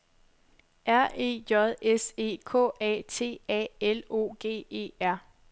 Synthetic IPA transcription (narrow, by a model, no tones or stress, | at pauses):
ʔæɐ̰ʔe̝̰ːjɒðˠese̝̰ːkʰɔ̰ːɛ̰ːt͡sʰe̝̰ːɛ̰ːelo̝̰ːɡ̥e̝̰ːe̝̰ːæɐ̰